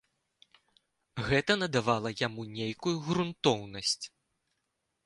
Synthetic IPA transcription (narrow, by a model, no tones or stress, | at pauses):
ɣɛt̪ɐnɐd̪avalˠɐjamunʲejkujuɣɾunt̪ɔwnɐsʲt͡sʲ